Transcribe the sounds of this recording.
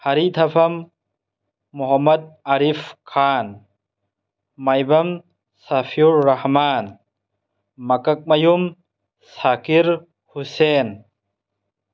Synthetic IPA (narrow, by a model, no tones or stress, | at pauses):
hɐɾit̪ʰɐpʰɐm | uɦɐmɐd̪̚aɾipʰkʰan | mɐjbɐm | sɐpʰiuɾːɐhman | mɐkɐk̚mɐjum | sakiɾ | husen